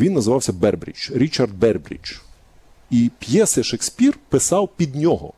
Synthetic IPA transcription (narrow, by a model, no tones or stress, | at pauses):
ʋʲinːɐzɪʋɑwsʲɐbɛrbɾʲḭt͡ʃɾʲit͡ʃɐrd̪̚bɛrbɾʲḭt͡ʃ | ipjɛsɐʃeksʲpʲirpɪsɑwpʲid̪nʲɔɦɔ̰